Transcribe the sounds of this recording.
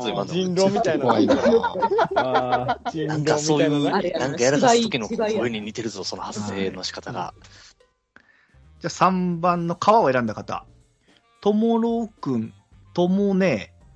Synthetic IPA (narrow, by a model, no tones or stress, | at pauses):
zimaiɾomʲit̪a | nãŋkaso̞ːjɯnãŋkajaɾaokʲinoɾeɲ̟imʲit̪e̞ɾɯzo̞so̞nohasːe̞ːno̞ɕi̥kat̪aɡa̰ | d͡ʑaːsãmbãnːo̞kʰaβaoeɾãnd̪akat̪a̰ | t̪o̞moɾoːkɯ̟̃n | t̪o̞moneː